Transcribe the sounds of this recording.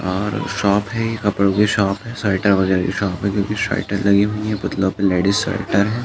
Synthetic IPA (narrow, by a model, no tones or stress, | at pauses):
ɔːɾʃɔːpɦɛjekɐpəɽoɡiʃɔːpɦɛsaːɪʈəɾʋɐɣɛːɾakḭʃɔːpɦɛ̃kjõːkiʃa̰ːɪʈəɾlɐɡiɦuiɦɛpʊt̪lõpeleːɖisə̰ːʈəɾɦɛː